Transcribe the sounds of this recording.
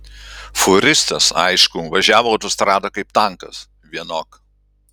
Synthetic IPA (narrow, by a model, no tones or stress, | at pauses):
fʊɾʲɪst̪ɐsɐ̰ɪʃkʊʋɐʒʲæːʋoɐʊt̪ost̪ɾɑːd̪okɐɪp̚t̪ɐŋkɐs | ʋʲiɛnoːk